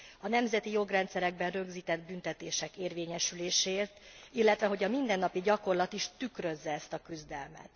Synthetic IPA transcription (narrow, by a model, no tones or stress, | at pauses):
ɒnɛmzɛt̪ijo̞ɡrɛnt̪sɛɾɛɡ̚bɛnrø̞ɡziːt̪ɛd̪bynt̪ɛt̪eːʃɛkeːrveːɲɛʃyleːʃeːrt̪ilːɛt̪ʋɛɦo̞ɟɒmind̪ɛnːɒpiɟɒko̞rlɒt̪iʃt̪ykrø̞zːɛɛst̪ɒkyzd̪ɛlmɛ̰t̪